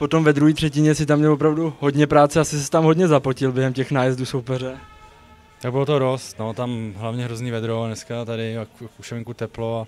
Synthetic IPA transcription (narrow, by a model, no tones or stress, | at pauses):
po̞t̪o̞mvɛd̪ɾuɦiːt̪r̥ɛcɪɲɛsɪt̪amɲɛlvopɾavduɦo̞dɲɛpɾaːt͡sɛasɪsɛ̥t̪amɦo̞dɲɛzapocɪlbjɛɦɛmcɛxnaːjɛzduso̞wpɛr̝ɛ | t̪aɡ̚bɪlot̪odo̞st̪not̪amɦlavɲɛɦɾozniːvɛd̪ɾonɛskat̪adɪkkkuʃɛvɛŋkut̪ɛploa